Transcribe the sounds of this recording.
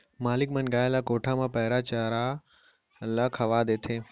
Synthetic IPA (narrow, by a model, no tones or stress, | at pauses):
maːlɪkmənɡaːjlakoːʈʰãmãːpɐɦɪɾat͡ɕaɾa | lakʰɐʋaːd̪eːt̪ʰeː